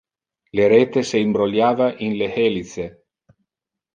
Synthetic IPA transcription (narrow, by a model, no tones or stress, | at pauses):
leɾeːt̪eseimbɾoljaːvaʔinlehelit̪se